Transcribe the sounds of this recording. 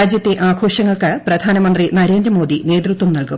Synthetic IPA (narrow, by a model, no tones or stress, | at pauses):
aːd͡ʑjɐt̪ːeʔaːɡʰʱo̞ːʂɐŋːɐɭkɨprɐd̪ʱaːnɐmɐnd̪rinɐɾe̞ːnd̪rɐmo̞ːd̪ine̞ːd̪rut̪wɐmnɐɭkum